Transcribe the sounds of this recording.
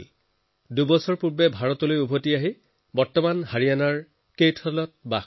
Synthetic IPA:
dubɔsɔɹpuɹbɛbʱaɹɔtɔlojubʱotiaɦi | bɔɹtɔmanhaɹijanaɹ | kejtʰɔlɔt̚ba

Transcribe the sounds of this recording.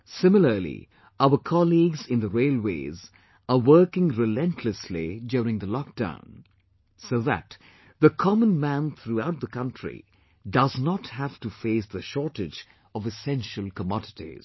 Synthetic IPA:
sɪ̃mɪləlḭ | aʊəkʰɑliɡzɪ̃nd̪əɹeɪlˠwḛɪz | əwɜːkɪ̃ŋɹɪlɛ̃ntʰləslḭdjɔɾɪ̃ŋðəlɔk̚d̥ã̰ʊ̃n | soðæ̰t̪ | ðəkʰɑmə̃nmæ̃nθɾuaʊt̪̚ðəkʌ̃ntɹ̥ḭ | dʌznəthæftufeɪsðəʃɔtɪd͡ʒ | ʌvɨsɛ̃nʃəlˠkəmɑɾɪtḭz̥

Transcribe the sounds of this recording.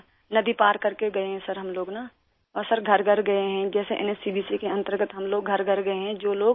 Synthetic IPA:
nɐd̪ipaːɾkɐɾkeɡɐeɦɛ̃sɐɾɦɐmloːɡna | ɔːɾsɐɾɡʱɐɾɡʱɐɾɡɐeɦɛ̃d͡ʒɛːseʔɛ̰nɛsiːbiːsikeɐ̃nt̪əɾɡət̪ɦɐmloːɡɡʱɐɾɡʱɐɾɡɐeɦɛ̃d͡ʒoːloːɡ

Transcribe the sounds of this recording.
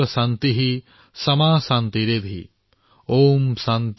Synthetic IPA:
ɐsant̪iɦi | sɐmaːsaːnt̪iɾeːd̪ʱḭ | oːmsant̪

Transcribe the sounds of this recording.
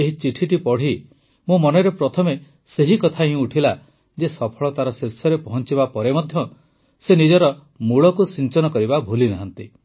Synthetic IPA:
eɦit͡ʃiʈʰiʈipɔɽ̤i | mũmɔneɾepɾɔt̪ʰɔme | seɦikɔt̪ʰaɦĩuʈʰila | d͡ʒesɔpʰɔɭɔt̪aɾɔsesɔɾepɔɦɔnt͡ʃibapɔɾemɔd̪ʱjɔ | senid͡ʒɔɾɔ | muɭɔkusint͡ʃɔnɔkɔɾibabʱulinaɦant̪i

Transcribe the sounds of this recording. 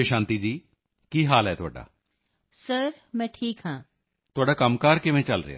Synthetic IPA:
eʃãːnt̪iːd͡ʒiː | kiːɦaːlɦɛːt̪ʊaːɖa̰ː | səɾ | mɛ̃ːʈʰiːkɦãː | t̪ʊaːɖaːkəmkaːɾkɪʋɛ̃ːt͡ʃəlɾḛja̰ː

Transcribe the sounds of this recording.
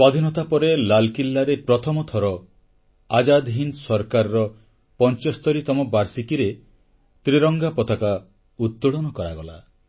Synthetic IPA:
sad̪ʱinɔt̪apɔɾelalkilːaɾepɾɔt̪ʰɔmɔt̪ʰɔɾɔ | ad͡ʒad̪ɦinsɔɾkaɾɾɔ | pɔnt͡ʃɔst̪ɔɾit̪ɔmɔbaɾsikiɾe | t̪ɾiɾɔŋɡapɔt̪aka | ut̪ːuɽɔnɔkɔɾaɡɔla̰

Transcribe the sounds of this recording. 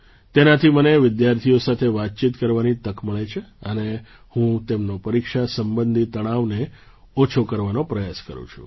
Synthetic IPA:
t̪enat̪ʰiməneʋɪd̪jaɾt̪ʰijosat̪ʰeʋat̪̚t͡ʃit̪kəɾʋanit̪əkməɭet͡ʃʰeəne | hũt̪emnopəɾikʃasəmbənd̪ʱit̪əɽ̃aʋne | ot͡ʃʰokəɾʋanopɾəjaskə̰ɾṵ̃t͡ʃʰṵ̃

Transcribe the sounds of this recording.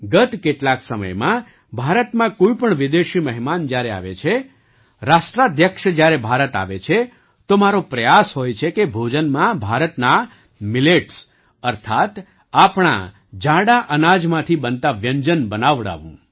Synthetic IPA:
ɡət̪keʈlaksəmə̰jmã | bʱaɾət̪mãkoipəɳʋɪd̪eʃiməɦimand͡ʒjaɾea̰ʋḛt͡ʃʰe | ɾaʃʈɾad̪jəkʃəd͡ʒjaɾebʱaɾət̪a̰ʋet͡ʃʰe | t̪omaɾopɾəjasɦojt͡ʃʰekebʱod͡ʒənmãbʱaɾət̪na | mileʈs | əɾt̪ʰat̪ | apɳ̃a̰ | d͡ʒãɽaʔənad͡ʒmãt̪ʰibənt̪aʋjəɲd͡ʒənbənaʋɽa̰ʋṵ̃

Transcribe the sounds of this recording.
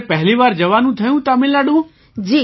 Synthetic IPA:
pəɦliʋaːɾd͡ʒəʋanũt̪ʰəjũt̪amẽlaɽũ | d͡ʒiː

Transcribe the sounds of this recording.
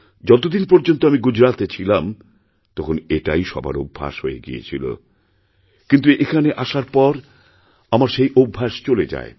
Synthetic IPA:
d͡ʑɔt̪̬od̪inpɔɾd͡ʑont̪oamiɡud͡ʑɾat̪et͡ɕʰilam | t̪ɔkʰoneʈa̰jʃɔ̰ba̰ɾobʱːa̰ʃɦojḛɡḭḛt͡ɕʰilo̰ | kint̪uʔekʰaneʔaʃaɾpɔɾ | amaɾʃejʔobʱːaʃt͡ɕoled͡ʑa̰e

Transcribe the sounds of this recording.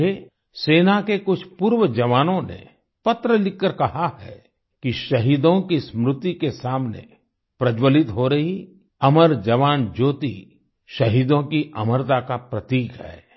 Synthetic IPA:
e | seːnakekʊt͡ʃʰpuːɾwəd͡ʒɐʋaːnõnḛ | pɐt̪ɾəlɪkːəɾkɐɦahɛ̰ | kiʃɐɦiːd̪õkismɾʊt̪ikesaːmnḛ | pɾɐd͡ʒwəlɪt̪ɦoɾɐɦi | ɐməɾd͡ʒɐʋaːnd͡ʒoːt̪ḭ | ʃɐɦiːd̪õkiʔɐməɾt̪akapɾɐt̪iːkɦɛ̰ː

